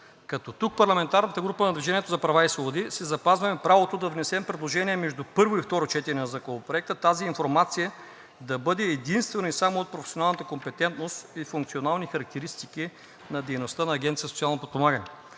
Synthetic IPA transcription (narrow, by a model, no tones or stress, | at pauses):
kɐt̪ɔt̪uk̚pɐɾlˠɐmɛnt̪aɾnət̪əɡɾupənɐd̪vʲiʒɛniɛt̪ozɐpɾɐvaisvobod̪isɛzɐpazvɐmɛpɾavot̪od̪ɐvnɛsɛmpɾɛd̪lˠoʒɛniɛmɛʒd̪upɤɾvoift̪ɔɾot͡ʃɛt̪iɾʲɛnɐzɐkovopɾoɛk̚t̪ət̪aziːɱfoɾmat̪sijə | d̪ɐbɤd̪ɛːd̪inst̪vɛnoisamoːt̪̚pɾofɛ̥sjonalˠnət̪əkompɛt̪ɛnt̪nost̪ifuŋkt̪sionalˠnixɐɾɐk̚t̪ɛɾist̪ik̟i | nɐd̪ɛjnost̪ənɐːɡʲɛnt̪sijəsot̪sʲialˠnopot̪pomaɡənɛ